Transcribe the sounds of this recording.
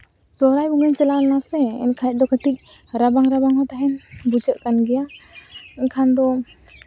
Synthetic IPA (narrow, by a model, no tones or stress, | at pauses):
sɔɾajbuŋəɲt͡ʃɛlalnasɛɛ̰nkʰajɛt̚ˀd̪ɔkət̪ik̚ɾabaŋɾabaŋɦɔt̪aɦɛnbud͡ʒəʔkanɡɛja | ɛnkʰand̪ɔ